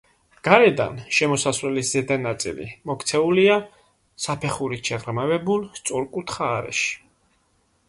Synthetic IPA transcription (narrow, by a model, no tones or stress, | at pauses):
ɡ̥aɾɛd̪a̰nʃɛmɔsasvɾɛlisz̥ɛd̪anat̪sʼḭlḭmɔkʰt̪sʰɛulia | sapʰɛχuɾiʃʰɛʁɾmavɛbulˠst̪sʼɔɾkʼut̪ʰχaːɾɛ̰ʃi̥